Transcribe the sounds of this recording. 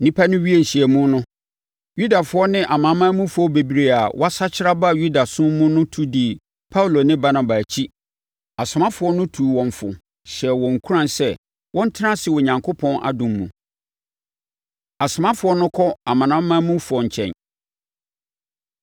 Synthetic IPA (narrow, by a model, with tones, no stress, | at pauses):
nĩ˦pʰa˦nʊ̃˦ɥi˦e˦˨ɕi˨ɛ˨mũ˦nʊ̃˦ | ju˦da˨fʊ˨˦ɔ˦nɪ̃˦ʔa˨mã˨˦mãː˦mũ˦fʊ˨ɔ˦be˨bi˨ɾe˨a˨wʔɔ˦a˦sa˦t͡ɕʰɪ˦ɾa˦ba˦˨ju˦da˨sʊ̃˦mʊ̃˦nʊ̃˦tʰu˦di˨ | pʰa˦u˨lo˨nɪ̃˦ba˦na˨ba˨t͡ɕʰi˦ | a˨sʊ˨mã˦fʊ˨ɔ˦nʊ̃˦tʰuː˨wɔ̃˨ɱfʊ̰˨ | ɕɛ˨wɔ̃˨ŋ˨kʰu˦ɾã˨nsɛ˦ | wʔɔ̃˦n˦tʰɪ˦ã˦sɪ˨wo˨ɲã˨ŋkʰo˦pʰɔ̃˦nʔa̰˨dʊ̃˨mːṵ̃˨ | a˨sʊ˨mã˦fʊ˨ɔ˦nʊ̃˦kʰɔ˦a˨mã˨nã˦mːãː˦mũ˦fʊ˨ɔ˨ɲ̩˨t͡ɕʰɛ̰̃˨n